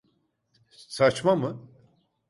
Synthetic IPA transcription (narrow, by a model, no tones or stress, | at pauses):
sat͡ʃmamɯ